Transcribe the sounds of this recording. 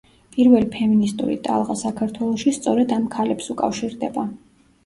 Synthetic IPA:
pʼiɾvɛlipʰɛminist̪ʼṵɾḭt̪ʼa̰lˠʁasakʰaɾt̪ʰwɛlˠɔʃist̪sʼɔɾɛd̪amkʰalɛpsukʼa̰fʃiɾd̪ɛba

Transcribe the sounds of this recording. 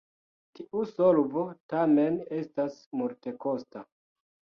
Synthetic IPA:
tiʔusolvo̞tame̞ne̞stasmulte̞ko̞sta

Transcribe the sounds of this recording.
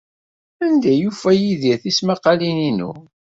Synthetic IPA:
ænd̪æjufæjiðiθismaqɑlininṵ

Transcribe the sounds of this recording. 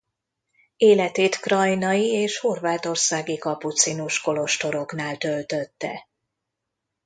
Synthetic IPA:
eːlɛt̪eːt̪krɒjnɒjieːʃho̞rvaːt̪o̞rsaːɡikɒput̪sinuʃko̞lo̞ʃt̪o̞ɾo̞knaːlt̪ølt̪ø̞t̪ːɛ̰

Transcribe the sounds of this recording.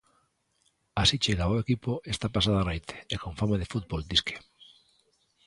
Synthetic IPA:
asit͡ʃeɣaβoekipoest̪apas̬aðoanajt̪ʰe̥ekoɱfamaðefut̪̚bold̪iskʰe̥

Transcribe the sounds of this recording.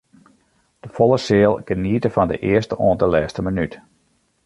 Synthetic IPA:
d̥əfɔlˠəsɪəlˠɡ̥əniətəfɑndə̰ʔɪəstəʔɔːəndəlɛːstəmənyt

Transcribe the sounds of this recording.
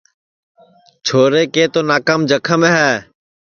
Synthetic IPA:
t͡ʃʰoːɾeːkeːt̪oːnaːkaːmd͡ʒəkʰəmẽɦɛː

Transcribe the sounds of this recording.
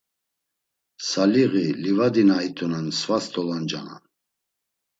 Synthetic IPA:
saliɣilivad̪inait̪ʰɔnansvast̪ʰɔland͡ʒa̰na̰n

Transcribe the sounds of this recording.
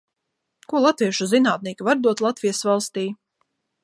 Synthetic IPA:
kuɔlˠat̪viɛʃuzinaːt̪̚niːkʲivaɾd̪uɔt̪lˠat̪vijasvalˠst̪iː

